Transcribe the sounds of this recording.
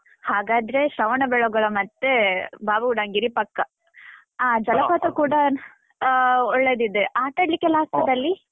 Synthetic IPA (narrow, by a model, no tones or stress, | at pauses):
haːɡaːd̪ɾe̞ʃɐʋɐɳɐbɛɭoɡɐɭɐmɐt̪ːebaːbuɖɐŋɡiɾipɐkːɐ | aːd͡ʒɐlɐpaːt̪ɐkuːɽɐ | ɔɭːeːd̪id̪ːeʔaːʈ̪ɐɽlːikːelaːst̪ɐd̪ɐlːi